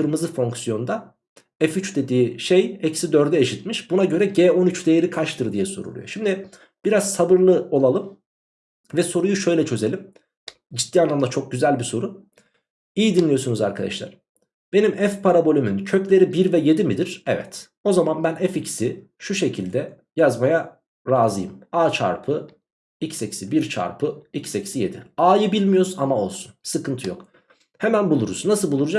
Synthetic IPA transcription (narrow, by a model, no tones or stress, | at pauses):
kɯɾmɯzɯfo̞ŋksijo̞nd̪a | ɛfyt͡ʃd̪e̞d̪iːʃe̞jɛcsid̪ø̞ɾd̪ɛːʃit̪miʃbunaɟø̞ɾɛɟeːo̞nyt͡ʃd̪ejeɾikʰaʃt̪ʰɯɾd̪ijɛso̞̰ɾṵlˠṵjo̞̰ʃimd̪ɪ | b̥iɾaz̥sabɯɾlˠɯo̞lˠalˠɯm | vɛso̞ɾujuʃø̞jlʲɛt͡ʃʰø̞ze̞lʲim | d͡ʒit̪ːiːanlˠamd̪at͡ʃʰo̞k̚ɟyzælʲbiso̞ɾu | ijid̪inlʲijo̞sunuza̰ɾkʰad̪a̰ʃlˠa̰ɾ̥ | b̥e̞nimɛfpʰaɾabo̞lʲymyncʰøclʲe̞ɾibiɾvɛje̞d̪imid̪iɾ̥ɛvɛ̰t̪ | o̞zamanbænɛficsi | ʃuʃe̞cʰilʲd̪ɛ | jazmaja | ɾaːzɯjɯmaːt͡ʃʰa̰ɾpʰɯ | icsecsibiɾt͡ʃʰa̰ɾpʰɯicʰsecsije̞d̪iaːjɯbilʲmijoɾzamao̞lˠsunsɯkʰɯnt̪ʰɯjo̞̰k | hemænbulˠuɾuznasɯlˠbulˠuɾud͡ʒa